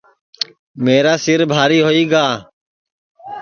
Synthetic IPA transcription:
meːɾaːsɪɾbʱaːɾiːɦoːiːɡaː

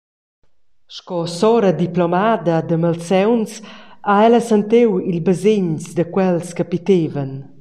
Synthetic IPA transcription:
ʃkɔsɔɾəd̪iplɔmad̪əd̪əmalsɛwnsaɛləsant̪ewilbəzeɲsd̪əkwɛlskəpit̪evən

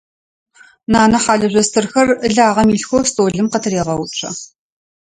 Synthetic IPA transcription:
naːnɐħaːɮɐʑʷɐstʰɨrxɐrɨɮaːʁɐmiːɬxʷoːstʼoːɮɨmqɐtʰɨɾeːʁɐwt͡ʃʷʰʼɐ̰

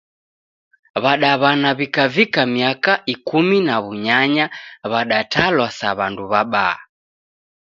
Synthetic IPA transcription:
βaɗaβanaβikavikamiakaʔikuminaβuɲaɲaβaɗatalwasaβanduβaɓa̰ː

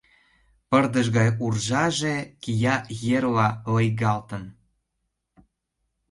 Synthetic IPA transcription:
pərd̪əʒɣɑjurʒɑʒekijɑjerlɑlɤjɣɑlt̪ə̆n

